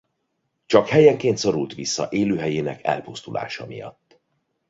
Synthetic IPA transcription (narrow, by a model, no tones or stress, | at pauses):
t͡ʃɒkhɛjɛŋkeːnt̪so̞ɾult̪ʋisːɒʔeːløːɦɛjeːnɛkʰɛ̰lpust̪ula̰ːʃɒmijɒ̰t̪ː